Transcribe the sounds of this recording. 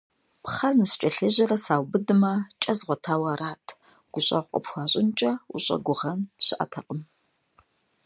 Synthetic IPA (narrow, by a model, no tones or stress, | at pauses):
pχɐrnɨst͡ʃʷʼɐɬeʑɐɾɐsaːwbɨdɨmɐt͡ʃʼɐzʁʷɔtʰaːwɐːɾaːtʰ | ɡ̥ʷʊɕʼɐ̰ɔ̰pxʷɑːɕʼɪnt͡ʃʼɐṵɕʼɐ̰ɡʷʊʁɐnɕɪʔɐ̰tʰɐqʼəm